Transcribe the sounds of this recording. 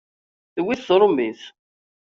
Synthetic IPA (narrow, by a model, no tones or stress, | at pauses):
θwiθθɾˤomiθ